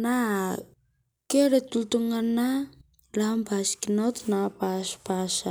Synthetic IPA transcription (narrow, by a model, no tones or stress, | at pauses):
na | keɾetultuŋana | lambaskinawt̪napaspasa